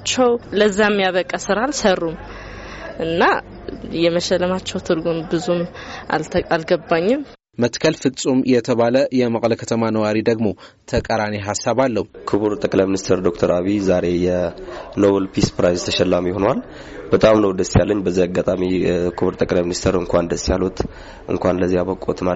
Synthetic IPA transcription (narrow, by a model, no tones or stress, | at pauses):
t͡ʃːɛwləzːiamːijaβəkʼːəsɨɾaːlsərːum | ʔɨnːa | jɛməʃɛlːəmat͡ʃːɛwt̪ʰɨɾɡunbɨzuma̰lʰalɡəbːaɲːɪm | mət̪kʰəlfɨt͡sʼumjɛt̪ʰəβaləjɛməkʼləkʰət̪ʰəmanəwaɾid̪əɡmo̞t̪ʰəkʼəɾaneɦasːaβalːəhukʰɨβuɾt̪ʼəkʼlajminist̪ʰəɾd̪ok̚t̪ʰəɾaβizaɾe̞jɛnoβəlpʰispɾajzt̪ʰəʃɛlːamjɪhonal | bət̪ʼamnəwd̪əsjalːəɲːbəzːiaɡːat̪ʼamikʰɨβuɾt̪ʼəkʼlajminist̪ʰəɾɨŋkʷʰand̪əsːjalut̪ | ʔɨ̰ŋkʷanləzːijaβəkʼːo̰t̪ma